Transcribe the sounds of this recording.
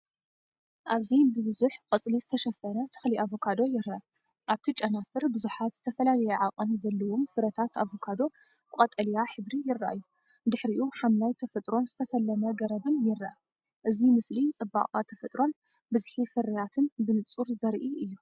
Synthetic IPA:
ʔaβzibɨβɨzuħkʼɨt͡sʼlizɨt̪ʰɐʃɐfɐnɐt̪ʰɨ̥xliʔavo̞kʰad̪o̞jɪɾaa | ʔaβt̪ʰit͡ʃʼɐnafɨɾbɨzuħat̪z̥ɨt̪ʰɐfɐlalɐjɛʕaqʼɐnzɐlːɐwomfɨɾɐt̪ʰat̪ʰavokʰad̪o̞ | bkʼɐt̪ʼɐlijaħɨβɾijɪraʔajːu | d̪ɨħɾiʔuħamlajt̪ʰɐfɐt̪ʼɾo̞nzɨt̪ʰɐsɐlːɐmɐɡɐɾɐbɨnjɪrːaʔa | ʔɨzimɨslit͡sʼɨba̰qʼat̪ʰɐfɐt̪ʼɾo̞n | bɨzħifɨɾɐjat̪ʰɨnbɨnɨt͡sʼuɾzɐɾʔiʔɨjːu

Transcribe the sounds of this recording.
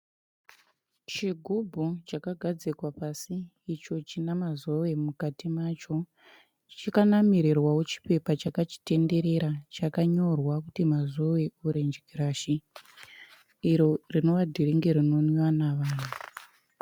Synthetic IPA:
t͡ʃiɡʱubʱut͡ʃakaɡʱad͡zikwapasiː | t͡ʃo̞t͡ʃinamazowemukatimaːt͡ʃo̞ | t͡ʃikanamiɾirwawot͡ʃi̥pe̞pat͡ʃakat͡ʃi̥te̞nde̞ɾe̞ɾat͡ʃakaɲo̞rwakutimazoweuɾend͡ʒiɡʱiɾaʃi | ɾo̞rino̞ʋadʱiɾiŋɡeɾino̞nwanaʋaːna

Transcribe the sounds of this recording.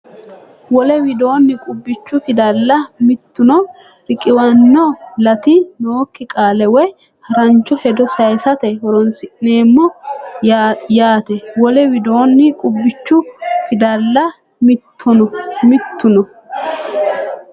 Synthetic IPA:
wɔlɛwɪd̪o̞ːnːɪkʼʊbːɪt͡ʃːʊfɪd̪ɐlːɐmɪt̪ːʊnɔ | ɾɪkʼɪwɐnːɔlɐt̪ɪno̞ːkːɪkʼaːlɛwɛ | hɐɾɐnt͡ʃːɔhɛd̪ɔsɐjsɐt̪ɛhɔɾɔnsɪʔne̞ːmːɔ | jaːt̪ɛwɔlɛwɪd̪o̞ːnːɪkʼʊbːɪt͡ʃːʊfɪd̪ɐlːɐ | mɪt̪ːʊnɔmɪt̪ːʊnɔ

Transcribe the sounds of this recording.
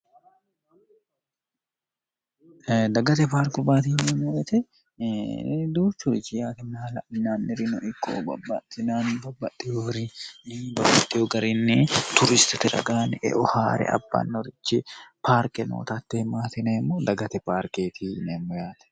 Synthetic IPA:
d̪ɐɡɐt̪ɛpaːɾkʊbaːt̪iːnɛmoːjɛt̪ɛ | d̪uːt͡ʃːʊɾɪt͡ʃːɪjaːt̪ɛnːaːlɐʔnːaːnːɪɾɪnɔʔɪkʰːo̰ːbɐ̰bːɐt̪ːɪnaːnbɐbːɐt̪ʼːɪjoɾɪnɪbɐbːɐt̪ʼːɪjoɡɐɾɪnːet̪ʊɾɪst̪ɪt̪ɛɾɐ̰ɡaːnʔɛ̰ʔɔha̰ːɾɛ̰ʔɐ̰bːa̰ːnːɔɾɪt͡ʃːɪpaːɾkɛno̰ːt̪ɐt̪ːɛmaːt̪ɪneːmːoːd̪ɐɡɐt̪ɛpaːɾkeːt̪ʰiːnɛmːɔjaːt̪ɛ̥

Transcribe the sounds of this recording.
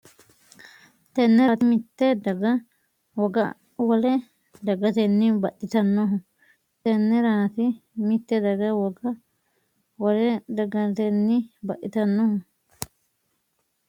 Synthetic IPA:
t̪ɛnːɛt̪imit̪ːed̪ɐɡɐ | wɔɡɐ̰ | wɐle | d̪ɐɡɐt̪ɛnːiːbɐʔɪt̪ɐnːoɦʊ | t̪ɛnːɛɾaːt̪ɪmit̪ːed̪ɐɡɐwɔɡɐ | wɐlɛd̪ɐɡɐt̪enːibɐʔit̪ɐnːoɦʊ

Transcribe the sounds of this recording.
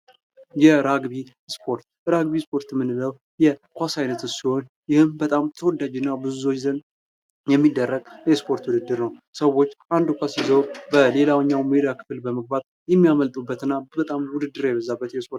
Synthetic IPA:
jɛɾaɡβi | spʰo̞ɾt̪ | ɾaɡbispʰo̞ɾt̪mːɨnɨləw | jɛkʷasajnət̪ɨsiho̞n | jɪhɨmbət̪ʼamt̪ʰəwɔd̪ad͡ʒɪnːabɨzuot͡ʃzən | jɛmːid̪ːərːəɡ̥jɛspʰo̞ɾt̪wud̪ɨd̪ːɨɾnəwsəwo̞t͡ʃːʔand̪ukʷasizəwbəle̞lawɲːawmed̪akʰɨ̥fɨlbəməɡ̚bat | jɛmːijaməlt̪ʼubːət̪ɨnːabət̪ʼamwʊd̪ɨd̪ːɨɾjɛβəzabːət̪jɛspʰoɾ

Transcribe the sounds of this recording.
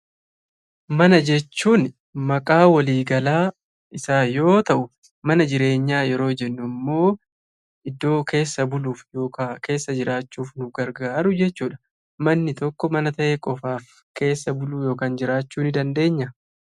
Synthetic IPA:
mɐnɐd͡ʒɛt͡ʃːuːn | mɐkʼaːwɐliːɡɐlaː | ʔɪsaːjo̞ːt̪ɐʔʊ | mɐnɐd͡ʒɪɾe̞ːɲːaːjɛɾo̞ːd͡ʒɛnːʊmːo̞ː | ʔɪd̪ːo̞ːkʰe̞ːsːɐbʊluːfjoːkake̞ːsːɐd͡ʒɪɾaːt͡ʃːuːfnʊfɡɐɾɡaːɾʊd͡ʒɛt͡ʃːuːᶑɐ̥ | mɐnːɪt̪ɔkːɔmɐnɐt̪ɐʔe̞ːkʼɔfaːf | ke̞ːsːɐbʊluːjo̞ːkaːnd͡ʒɪɾaːt͡ʃːuːnɪd̪ɐnd̪e̞ːɲːɐ

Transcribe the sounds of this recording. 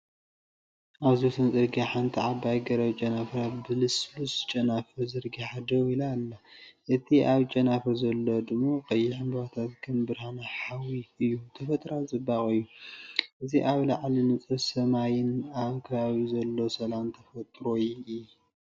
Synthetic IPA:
ʔaβzut̪ʰɨnzʼɨɾɡiħant̪ʰiʕabajɡɐɾɐβt͡ʃʼɐnafɾat̪bɨlɨslust͡ʃʼɐnafɨzɨɾɡiħad̪ɐwilalːɐʔɨt̪ʰiʔaβt͡ʃʼɐnafɐɾzɐlːod̪ɨmːaqʼɐjːɪħɨmbβat̪ʰat̪kʰɨmbɨɾhanaħawiɨjːut̪ʰɐfɐt̪ʼɾat͡sʼɨbaχʼɨjːuʔɨziʔaβlaʕlinɨt͡sʼɨsɐmajɪnaβkʰɐβaβizɐlːosɐlamt̪ʰɐfɐt̪ʼɾojɨj

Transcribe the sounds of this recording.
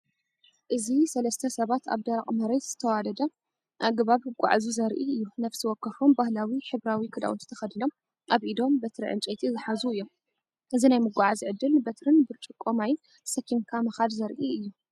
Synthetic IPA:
ʔɨzisɐlɐst̪ʰɐsɐβat̪ʰa̰βd̪ɐɾaχʼmɐɾet̪z̥ɨt̪ʰɐwad̪ɐd̪ɐ | ʔaɡɨβaβɨɡʷa̰ʕzuzɐɾʔiɨjːunɐfsiwɔkːɐfumbahlawiħɨβɾawikʰɨd̪a̰ʔwṵt̪ʰɨ̥t̪ʰɐxɐd̪ɨnom | ʔaβʔid̪o̞mbɐt̪ɾḭʕɨ̰nt͡ʃʼɐt̪ʰizɨħazuɨjːom | ʔɨzinajmɨɡʷaʕaziʕɨd̪ːɨlbɐt̪ʰɾɨnbɨɾt͡ʃʼɨkʼːomaj | sɐkʰːimkʰamɐxad̪zɐɾʔiɨjːu

